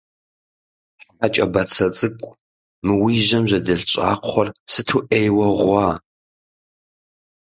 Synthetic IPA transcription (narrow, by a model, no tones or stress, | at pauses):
ħħat͡ʃʼɐbɐt͡sʰɐt͡sʼɨkʷʼ | mɨwiːʒɐmʑɐdɨɬɕʼaːqʷχʷɔrsɨtʰuːʔejwɐʁʷɑː